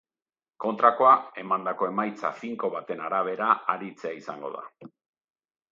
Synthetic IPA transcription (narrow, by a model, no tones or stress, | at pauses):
ko̞nt̪ɾako̞ae̞mand̪ako̞e̞majt͡sa̰fiŋko̞βat̪e̞naɾaβ̞e̞ɾaaɾit͡seaisaŋɡo̞ð̞a̰